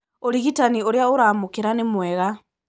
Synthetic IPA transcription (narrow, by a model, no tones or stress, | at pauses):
oɾiɣitanioɾeaoɾaːmokeɾanemwɛɣa